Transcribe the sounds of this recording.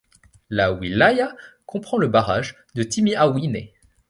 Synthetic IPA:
lawilajakɔ̃pχɑ̃ləbaʁaʒ | d̪ət̪imiawinḛ

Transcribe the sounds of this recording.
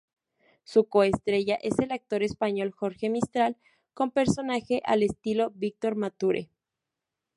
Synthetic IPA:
suko̞est̪ɾe̞ʝaʔe̞se̞lak̚t̪o̞ɾe̞spaɲo̞lxo̞ɾxe̞mist̪ɾal | ko̞mpe̞ɾso̞naxe̞ʔale̞st̪ilo̞βik̚t̪o̞ɾmat̪uɾʔḛ

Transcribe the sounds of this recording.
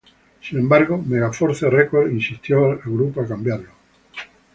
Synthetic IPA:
sinẽmbaɾɣ̞omeɣafoɾθerekweɾinsist̪joalɣɾupoakambjaɾlo

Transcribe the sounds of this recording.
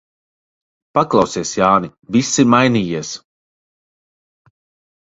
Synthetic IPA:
paklˠawsiɛsjaːnivisːimajniːjiɛs

